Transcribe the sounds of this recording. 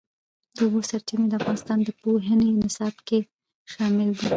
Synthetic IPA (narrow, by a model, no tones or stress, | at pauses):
d̪əubosaɾt͡ʃimed̪əafɣɑnɪst̪ɑnd̪əpoɦənenɪsɑbke | ʃɑmɪld̪i